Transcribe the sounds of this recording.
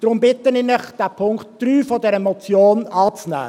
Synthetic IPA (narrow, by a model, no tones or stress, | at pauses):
d̥ɾʊmbɪtənɪnəχd̥æpʰʊŋktd̪̥ɾyːfɔdɛɾɛmot͡sjoːnɑːt͡snæ̰ː